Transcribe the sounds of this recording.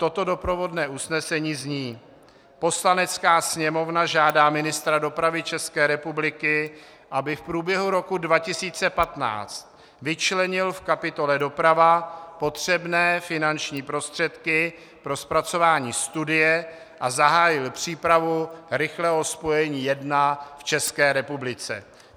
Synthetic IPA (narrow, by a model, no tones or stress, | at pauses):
t̪o̞t̪o̞do̞pɾo̞vo̞dnɛːʔusnɛsɛɲiːzɲiː | po̞slanɛt͡skaːsɲɛmo̞vnaʒaːdaːmɪnɪst̪ɾado̞pɾavɪt͡ʃɛskɛːɾɛpublɪkɪ | ʔabɪfpɾuːbjɛɦuɾo̞kudvacɪsiːt͡sɛpat̪na̰ːt͡st̪̚ | vɪt͡ʃlɛɲɪlfkapɪt̪o̞lɛdo̞pɾavapo̞t̪r̝̥ɛbnɛːfɪnant͡ʃɲiːpɾo̞st̪r̝̥ɛt̪kɪ | pɾo̞spɾat͡so̞vaːɲiːst̪udɪjɛ | ʔazaɦaːjɪlpr̝̥iːpɾavuɾɪxlɛɦo̞spo̞jɛɲiːjɛdnaft͡ʃɛskɛːɾɛpublɪt͡sɛ̰